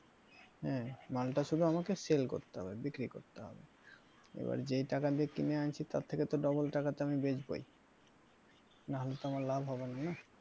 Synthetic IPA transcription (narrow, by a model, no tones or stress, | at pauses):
hɛ̃malʈaʃud̪ʱuamakeselko̰ɾt̪eɦɔbebikɾiko̰ɾt̪eɦɔ̰be | ḛba̰ɾd͡ʑejʈakad̪iekːineant͡ɕʰit̪a̰tt̪ʰːeket̪oɖɔbolʈakat̪eamibed͡ʑbo̰j | naɦolet̪oamaɾlabʱɦɔbenana